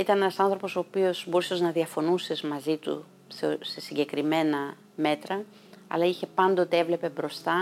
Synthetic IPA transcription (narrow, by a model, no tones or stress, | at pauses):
it̪ɐnenɐsɐnθɾo̞po̞so̞ːpio̞sboɾiseznɐðiɐfo̞nusezmɐzit̪ṵ | sse̞siɟe̞kɾime̞nɐ | me̞t̪ɾɐ | ɐ̰lɐiçe̞pɐnd̪o̞t̪e̞evle̞pe̞bɾo̞st̪ɐ